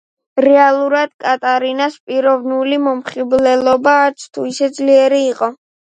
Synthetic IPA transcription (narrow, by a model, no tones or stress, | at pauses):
ɾɛalˠuɾad̪̥kʼat̪ʼaɾinaspʼiɾɔvnulimɔmχiblɛlˠɔbaːɾt̪sʰt̪ʰuisɛd̪zliɛɾiːqʼɔ